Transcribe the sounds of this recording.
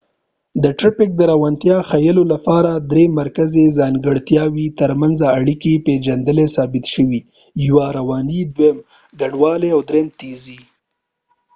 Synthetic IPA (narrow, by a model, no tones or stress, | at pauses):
d̪əʈɾɪpɪk̚d̪əɾawant̪jɑxajəlolapɑɾad̪ɾemaɾkazezɑnɡəɽt̪jɑwit̪əɾmanzaːɽikeped͡ʒand̪əlesɑbɪt̪ʃəwi | jwaɾawɑnid̪wem | ɡaɳwɑleawd̪ɾemt̪ezi